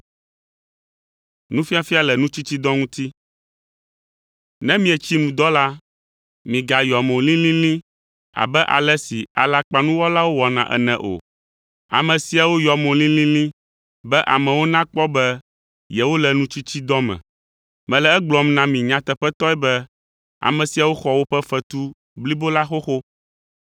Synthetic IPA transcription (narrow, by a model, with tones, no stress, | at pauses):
nũ˦fi˦a˨fi˦a˨lɛ˨nũ˦t͡ɕi˦t͡ɕi˦d̪ɔ˦ŋũ˦t̪i˦ | nɛ̃˦mĩ˦ɛ˨t͡ɕi˦nũ˨d̪ɔ˦la˦ | mĩ˨ɡa˨jɔ˨mõ˨lĩ˦lĩ˦lĩ˦ | a̰˨bɛ˦ʔa̰˨lɛ˦si˨a̰˨la˦k͡pa˦nũ˦wɔ˦la˦wo˦wɔ˨nã̰˨ʔɛ̰˨nɛ̃˨ʔo̰˨ | a̰˨mɛ̃˨si˨a˨wo˦jɔ˨mõ˨lĩ˦lĩ˦lĩ˦ | bɛ˦ʔa˨mɛ̃˨wo˦nã˦k͡pɔ˦bɛ˦ | jɛ˨wo˦lɛ˨nũ˦t͡ʃu˦t͡ɕi˦d̪ɔ˦mɛ̰̃˨ | mɛ̃˨lɛ˨ɛ˦ɡ͡blɔ˨mnã˦mĩ˨ɲã˦t̪ɛ˨ɸɛ˦t̪ɔ˦ɛ˦bɛ˦ | a̰˨mɛ̃˨si˨a˨wo˦xɔ˨wo˦ɸɛ˦fɛ˦t̪u˦ | bli˦bo˦la˦xo˦xo˦